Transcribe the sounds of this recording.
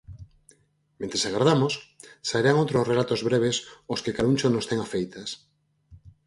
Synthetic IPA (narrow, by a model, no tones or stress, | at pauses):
mẽnt̪ɾesaɣɾaðamossaeɾaŋowt̪ɾosrelat̪ozβɾeβ̞esoskɪkalunt͡ʃonost̪ɛŋafejt̪ɐs